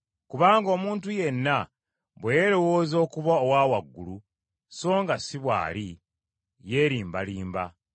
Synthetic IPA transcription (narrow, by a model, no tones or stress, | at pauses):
kuβaːŋɡo̞ːmuːntuje̞nːa | βwejeɾo̞wo̞ːzo̞ːkuβaowaːwaɡːulu | so̞ːŋɡasiβwa̰ːɾi | je̞ːɾiːmbaliːmba̰